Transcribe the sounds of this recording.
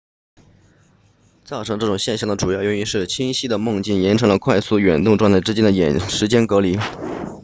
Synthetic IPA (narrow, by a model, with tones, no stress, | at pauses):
t͡sɑ˥˩ʊʈ͡ʂʰɤ˧˥ŋʈ͡ʂɤ˥˩ʈ͡ʂʊ˨˩ŋɕjɛ˥˧nɕjɑ˥˩ŋd̪ə˩ʈ͡ʂu˨˩jɑ˥˩ʊɥɛ˥˩ni˧˥nʂɻ̩˥˩t͡ɕʰi˥ŋɕi˥d̪ə˨mʊ˥˧ŋt͡ɕi˥˩njɛ˧˥nʈ͡ʂʰɤ˧˥ŋlə˧kʰwa˥˧ɪsu˥˩ɥɛ˨˩nt̪ʊ˥˧ŋʈ͡ʂwa˥˧nt͡sɪʈ͡ʂɻ̩˥t͡ɕjɛ˥nd̪ə˩jɛ˨˩nʂɻ̩˧˥t͡ɕjɛ˥nkɤ˧˥li˨˩˦